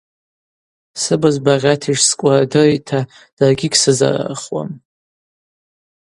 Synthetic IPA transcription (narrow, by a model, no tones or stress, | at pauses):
sɨbazbaʁʲatʰiʒskʷʼadɨrtʰa | d̥arɡʲɪɡʲsɨza̰ra̰χwa̰m